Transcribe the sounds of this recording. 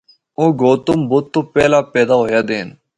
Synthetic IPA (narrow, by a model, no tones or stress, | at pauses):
oːɡoːt̪ʊmbot̪ːoːpeːlaːpeːd̪aːɦoːjaːd̪eːn